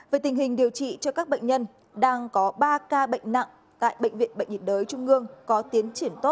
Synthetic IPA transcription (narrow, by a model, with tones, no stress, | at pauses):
veː˨˩jt̪ï˨˩ŋ̟ɦï˨˩ŋ̟ɗi˨˩əwt͡ɕḭ˧˨t͡ɕɔ˧kaː˦˥k̚ɓə̰˧˨ŋɲə˧n | ɗaː˧ŋkɔ˨˦ɓaː˧kaː˧ɓə̰˧˨jŋ̟na̰˧˨ŋ | t̪a̰ː˧˨jɓə̰˧˨jŋ̟vḭ˧˨ənɓə̰˧˨jŋ̟vḭ˧˩n̚zəː˨˦jt͡ɕʊ˧ŋ͡mʔɨ˧əŋkɔ˨˦t̪i˨˦ənt͡ɕi˧˩ənt̪o˦˥t̚